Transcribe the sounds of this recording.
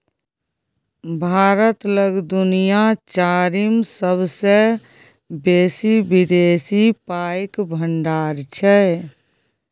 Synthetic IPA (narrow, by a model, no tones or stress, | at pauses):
bʱaːɾət̪ləɡd̪ʊnijat͡ʃaːɾimsəbse | beːsibɪd̪eːsipaːekbʱəɳɖaːɾt͡ʃʰɛ